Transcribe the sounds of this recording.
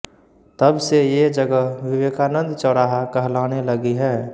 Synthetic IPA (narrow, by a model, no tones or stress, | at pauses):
t̪əbsejed͡ʒəɡəɦwɪʋeːkaːnə̃nd̪t͡ʃəɾaːɦakəɦlaːneləɡiɦɛː